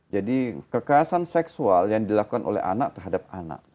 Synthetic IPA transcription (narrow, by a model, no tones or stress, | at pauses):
d͡ʒadikəkaasansɛksualjaŋdilakukanʔo̰lɛ̰ha̰na̰k̚t̪ərɦadap̚ana̰ʔ̚